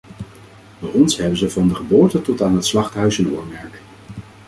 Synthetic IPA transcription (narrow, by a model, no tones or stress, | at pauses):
dajɔnsɦɛbənzəvɑndəχəboːɹtətɔtaːnɦətslɑχtɦœɥsənʊːɹmɛɹk